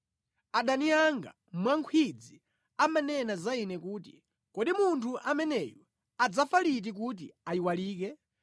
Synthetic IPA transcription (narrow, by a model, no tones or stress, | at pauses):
aɗaniaŋɡa̰ | mwaŋkʰwid͡zi | amanɛnazainɛkuːtḭ | kɔɗimuntʰuʔamɛnɛjɔ | ad͡zafalit̬ik̬ut̬iaiwaliːk̬ɛ